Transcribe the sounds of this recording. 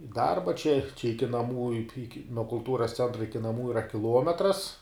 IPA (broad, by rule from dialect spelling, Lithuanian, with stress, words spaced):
ɪ ˈdɐrbɐ t͡ʃʲɛ t͡ʃʲɛ ˈɪkʲɪ nɐˈmuː ɪk ɪk nuɔ kʊlˠˈtuːrɐs ˈt͡sʲɛntrɐ ˈɪkʲɪ ˈnɑːmuː ɪˈrɐ kʲɪˈlˠuɔmʲɛtrɐs